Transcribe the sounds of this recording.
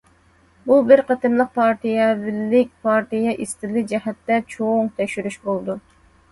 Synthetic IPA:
bubɪɾqɑt̪ʰɨnlˠəq̚pʰɑɾt̪ijɛvɪlːɪk̚ʲpʰɑɾt̪ijɛʔist̪ɪlɪd͡ʒɛhɛt̪ːɛt͡ʃʰoŋt̪ʰɛkʲʃyɾyʃbolˠd̪u

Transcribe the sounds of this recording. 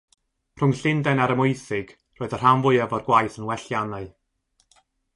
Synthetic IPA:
r̥ʊŋɬɪndɛnaɾəmʊɨθɪɡ̥ | roːɨðər̥amvʊɨɛvɔrɡwajθənwɛɬjanaɨ

